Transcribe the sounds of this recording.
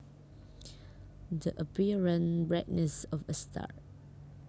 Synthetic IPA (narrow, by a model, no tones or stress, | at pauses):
dəʔəpiɹə̃nbɹɛt̚nɛsɔfəstʰa̰t